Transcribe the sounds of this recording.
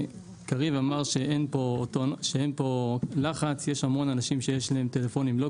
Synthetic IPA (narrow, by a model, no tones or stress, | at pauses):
kaʁivamaʁʃe̞ʔenpo̞t̪oʃeenpo̞laχat͡sjeʃhamonanaʃimʃejeʃlahe̞mt̪e̞lefo̞nimlo̞